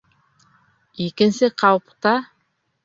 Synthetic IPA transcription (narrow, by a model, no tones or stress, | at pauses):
ekʲɪnsɪqʰɑwpt̪ɑ